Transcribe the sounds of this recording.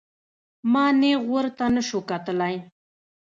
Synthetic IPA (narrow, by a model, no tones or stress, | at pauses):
mɑneɣəɾt̪anəʃukat̪əlaj